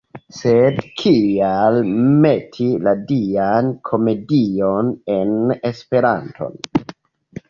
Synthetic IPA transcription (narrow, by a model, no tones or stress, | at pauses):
sedkʰialmetʰiladiankʰo̞me̞dionenespe̞ɾantʰo̰n